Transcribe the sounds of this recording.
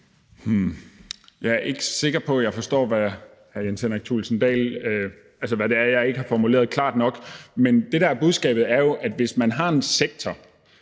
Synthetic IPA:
hm̩ | jɑ̈ɪæɐʔe̝ɡ̥ə̥se̝ɡ̥ɐpʰɒ̽jɑ̈ɪfɒ̽sd̥ɔ̰ːʋæ | hæjenseneɡ̥̚t͡sʰṵlsənd̥ɛ̰ːlø | ælsəʋæɾe̝æɐjɑ̈ɪe̝ɡ̥əhɑ̈fɒmule̝̰ːɐð̞̩ˠkʰlɑ̰̈ːd̥nɒ̽ɡ̥mend̥e̝ɾ̥ææɐb̥uð̞ˠsɡ̥ɛ̰ːb̥ð̩ˠæɐjo̝ʔæd̥ʋe̝smænɦɑ̈e̝nseɡ̥̚t͡sʰɒ

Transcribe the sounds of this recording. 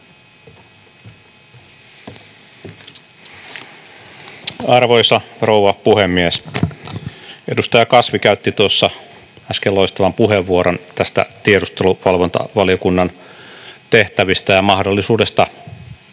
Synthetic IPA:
ɑrʋojsɑro̞wʋɑpuhemːies | e̞dust̪ɑjɑkɑsʋikæyt̪ːit̪uosːɑ | æskelːo̞ist̪ɑʋɑmpuɦeʋːuoɾont̪æst̪æ̰t̪ieɾust̪eluʋɑlʋont̪ɑ̰ʋɑlijokunːɑn | t̪e̞ht̪æʋist̪æjɑmɑhdolːisuːde̞st̪ɑ

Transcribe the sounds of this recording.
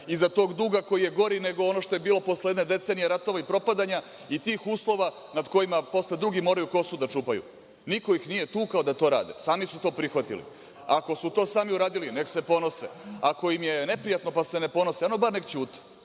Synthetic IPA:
izat̪o̞ːɡd̪uɡako̞jije̞ɡo̞ɾine̞ɡo̞ono̞ʃt̪ojebiːlˠopo̞sleje̞d̪ned̪e̞t̪seːnijeɾat̪o̞ʋaipɾo̞pad̪aɲa | it̪iːxuːslˠo̞ʋa | nad̪ko̞jimapo̞sle̞d̪ɾuɡimo̞ːɾajuko̞sud̪at͡ʃuːpajṵ | niko̞ixnijet̪uːkaod̪at̪o̞ːɾa̰ːd̪ḛsaːmisut̪o̞ːpɾixʋat̪ḭlḭ | ako̞sut̪o̞ːsaːmiuɾaːd̪iline̞ksepo̞no̞seako̞imje̞ne̞pɾijat̪no̞pase̞ne̞po̞no̞seano̞baɾnekt͡ɕuːt̪i̥

